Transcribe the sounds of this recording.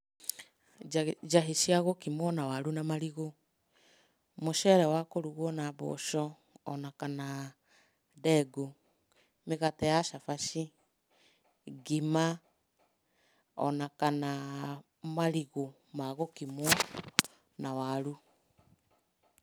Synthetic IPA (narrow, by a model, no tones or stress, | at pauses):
d͡ʒaɦeʃiaɣokimwɔnawaɾunamaɾiɣo | moʃɛɾɛwakoɾuɣɔnaβɔ̰ʃɔ | ɔnakana | dɛɡo | meɣatɛjaʃafaʃi | ɡima | ɔ̰nakana | maɾiɣo | maɣokimwɔ | nawaɾu